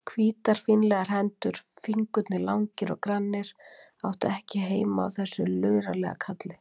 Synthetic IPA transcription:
kʰviːt̪aɾ̥finlɛɣaɾ̥ɦɛnt̪ʏɾ̥fiŋkʏt̪nɪlawŋcɪɾɔ̰ɣkɾanːɪɾ̥ | awht̪ʏɛhcɪɦeːjmaa̰wθɛsːʏlœːɥɾalɛɣa̰kʰat̪lɪ

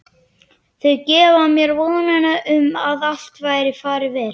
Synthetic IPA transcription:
θœɣcɛːvamjɛɾvɔːðnajnaʔʏmaðal̥t̪vaːjɾɪfaːɾɪvɛːɾ

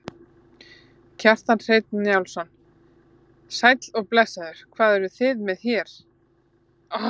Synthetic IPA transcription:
cʰar̥t̪anr̥ejt̪̚nnːjawlsɔn | sajt̪lɔɣplɛsaðʏɾ̥kʰvaːðɛɾʏθɪðmɛðçɛɾ̥

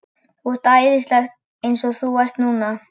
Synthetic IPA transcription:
ɔɾ̥t̪aɪðɪst̪laxt̪̚ | ejnsɔθuvar̥t̪nuːna

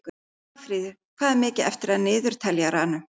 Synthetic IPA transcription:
k | afɾiːðɪɾ̥kʰvaːðɪmɪːcɪɛ̰ft̪ɪɾaðnɪːðʏɾ̥t̪ʰɛljaɾaːnʏ

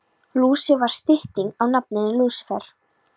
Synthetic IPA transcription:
luːsɪvaɾ̥st̪ɪht̪iŋawnapnɪnɪluːsfɛɾ̥

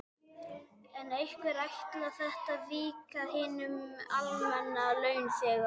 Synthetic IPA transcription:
ɛnejhkvɛɾajht̪laθɛht̪aðviːkahɪːnʏmalmɛnːalœːɥnsjɛːɣa

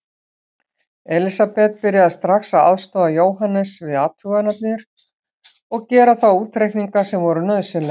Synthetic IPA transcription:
ɛlisapɛt̪̚pɪɾjaðɪst̪ɾaxsaða̰ðst̪ɔːðajoːwɦanɛsvɪðaːt̪ʰʏɣanat̪̚nɪɾ̥ | ɔɣcɛːɾaθawuːt̪ːɾejkniŋkasɛmvɔɾʏnœðsɪnlɛ

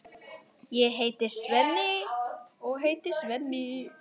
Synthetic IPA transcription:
jɛɦeːjt̪ɪ̥svɛnːɪ | ɔɣɦeːjt̪ɪ̥svɛnːɪ

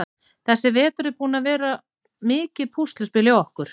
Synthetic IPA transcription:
θɛsːɪvɛːt̪ʏɾɪɾpuːnavɛːɾa | mɪːcɪðpʰust̪lʏspɪːlɪaɔhkʏɾ̥

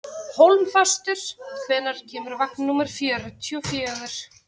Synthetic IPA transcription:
howlmfast̪ʏɾ̥kʰvɛːnaɾ̥cʰɛːmʏɾvak̚nnuːmɪɾ̥fjɛːɾʏt̪ʰjɔfjɛːœɣʏɾ̥

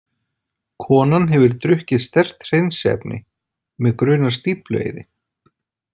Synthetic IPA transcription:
kʰɔːnanɦɛvʏɾt̪ɾʏhcɪðst̪ɛr̥t̪r̥ejnsɛ̰pnʔɪ̰ | mɛðkɾʏːnḁst̪iplḛːjðɪ

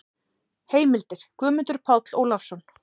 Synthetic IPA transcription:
heːjmɪlt̪ɪɾ̥kʰʏːmʏnt̪ʏɾ̥pʰaːwt̪lowlafsɔn

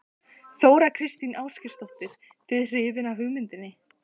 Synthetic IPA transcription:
θoːwɾakʰɾɪst̪inʔaːwscɪ̥st̪ɔht̪ɪɾ̥ | vɪðr̥ɪːvɪnaɦʏɣmɪnt̪ɪnːɪ

